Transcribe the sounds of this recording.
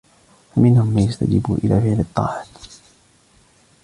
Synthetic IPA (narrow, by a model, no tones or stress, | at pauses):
famɪnhʊmːaːjast̪a̰d͡ʒɪ̰bṵːʔɪlaːfɪʕlɨt̪ˤːɑ̰ːʕat̪